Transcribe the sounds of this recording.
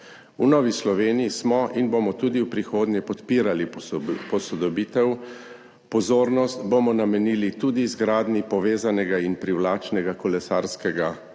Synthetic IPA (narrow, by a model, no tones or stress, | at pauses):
unɔːʋislɔʋeːniismɔʔinbomɔt̪uːd̪iwpɾixoːd̪nɲjɛpɔt̪piːɾalipɔsɔd̪ɔbiːt̪ɛw | pɔzoːɾnɔst̪bomɔnamɛniːlit̪uːd̪izɡɾaːd̪nipɔʋeːzanɛɡainpɾiwlaːt͡ʃnɛɡakɔlɛsaːɾskɛɡa